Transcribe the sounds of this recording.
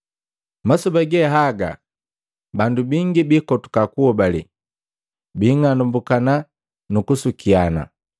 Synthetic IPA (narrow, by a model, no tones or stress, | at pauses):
masubaɡɛɦaɡa̰ | bandubiŋɡibikɔtu̥kakuɔbalḭ | biːŋanumbukana | nukusukiana̰